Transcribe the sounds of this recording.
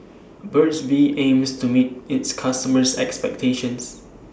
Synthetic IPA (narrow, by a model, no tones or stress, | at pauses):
bɜtsbiʔẽmstumit̚ɪtskʰastəməsɛ̰kspɛ̰k̚tʰeʃə̃ns